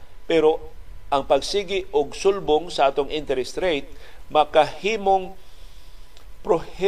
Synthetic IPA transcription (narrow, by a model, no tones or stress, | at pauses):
pɛɾoʔɐŋpɐɡsiːɡɪʔoɡsʊlboŋsɐʔaːt̪oŋʔɪnt̪ɛɾɛst̪ɾejt̪̚mɐkahiːmoŋ | pɾohɛ